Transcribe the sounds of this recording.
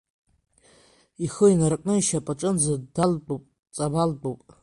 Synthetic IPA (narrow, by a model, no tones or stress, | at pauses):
iχəinarkʼnɨjʃapʼaʈ͡ʂʼɨnd͡zadalbʼopʼ | t͡sʼabalbowpʼ